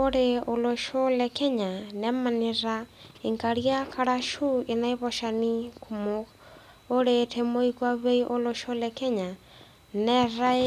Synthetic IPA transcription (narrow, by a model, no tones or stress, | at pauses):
oɾeoloʃolɛkɛɲanɛmaniɾaiŋkaɾiakʰaɾaʃuinaeβoʃanikʰumo | oɾetʰemoikwaβeiʔoloʃolɛkɛɲa | nɛɾa